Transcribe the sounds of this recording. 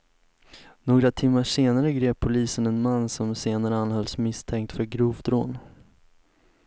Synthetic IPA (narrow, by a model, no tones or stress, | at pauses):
noːɡɾat̪ʰɪmːaʂeːnaɾəɡɾeːpʰːʊliːsənɛnmanːsɔmseːnaɾəanːhœlsmɪst̪ʰɛŋk̚t̪fœɾɡɾuːvd̪ɾoːn